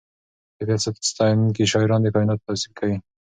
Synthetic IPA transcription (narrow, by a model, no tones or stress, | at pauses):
d̪əfjɑsat̪st̪ɑjnnkeʃɑɪɾɑnd̪eəkɑjɪnɑt̪̚ːasib̚kʰawi